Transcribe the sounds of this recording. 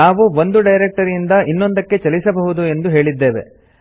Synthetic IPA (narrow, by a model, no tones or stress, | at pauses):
aːʋuʋo̞nd̪uɖɐjɾek̚ʈɐɾind̪ɐʔinːond̪ɐkːe̞t͡ʃɐlisɐbɐɦud̪ue̞nd̪uɦe̞ːɭid̪ːe̞ːʋe̞̰